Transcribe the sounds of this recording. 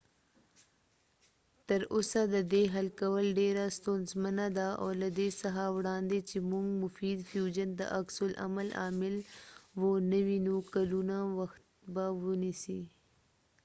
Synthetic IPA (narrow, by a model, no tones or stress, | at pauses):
t̪əɾosad̪əd̪eɦalkawəlɖeɾast̪onzmanad̪aa̰wlad̪esaɦawɽɑːnd̪et͡ʃemuŋɡmʊfiːd̪fjud͡ʒənd̪ə̰ʔaksʊlʔa̰malɑ̰ːmɪlwonəwinukalunawaxt̪bawʊnisi